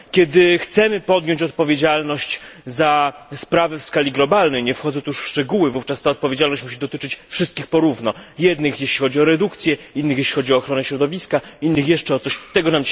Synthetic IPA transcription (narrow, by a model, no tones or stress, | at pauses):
kʲɛd̪ɘxt̪sɛmɘpɔd̪jɔɲt͡ɕɔt̪̚pɔvʲjed͡ʑalnɔɕt͡ɕzaspɾavɛfskalʲiɡlɔbalnɛjɲɛfxɔd̪zɔɛt̪uʂfʂt͡ʂɛɡuwɘvuft͡ʂast̪aɔt̪̚pɔvʲjed͡ʑalnɔɕt͡ɕmuɕ̬id̪ɔt̪ɘt͡ʂɘt͡ɕfʂɨst̪̚kʲixpɔɾuvnɔjɛd̪nɘxjɛɕlʲixɔd͡ʑiɔɾɛd̪ukt̪sʲjɛinːɘxjeɕlʲixɔd͡ʑiɔːxɾɔnɛɕɾɔd̪ɔvʲiskainːɘxjɛʂt͡ʂɛɔt̪sɔɕt̪ɛɡɔnamt͡ɕ